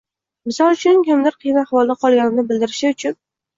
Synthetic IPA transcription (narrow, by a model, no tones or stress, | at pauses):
mɪsɒlˠt͡ʃʰʊnkʲʰʊmd̪lɪɾqʰijnahwɒlˠd̪aqʰɒlˠɡʲanɪnɪbɪld̪ɪɾɪʃɪʊt͡ʃʰʊn